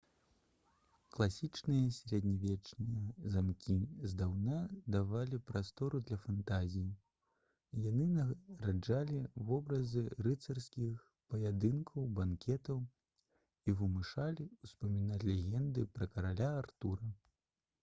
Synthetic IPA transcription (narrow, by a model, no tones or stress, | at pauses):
klˠasʲit͡ʂnɨjɐsʲɾʲɛd̪ʲnʲavʲɛt͡ʂnʲɨjɐzamkʲizd̪awnad̪avalʲipɾast̪ɔɾud̪lʲɐfant̪azʲiji | janɨnɐɾad͡ʐalʲivɔbɾɐzɨrɨt̪sɐrskʲix | pɐjad̪ɨnkʰɐwbankʲɛt̪ɐw | ivɨmɨʂalʲiuspɐmʲinatʲlʲɛɣʲɛnd̪ɨpɾɐkɐɾalʲaːrt̪uɾɐ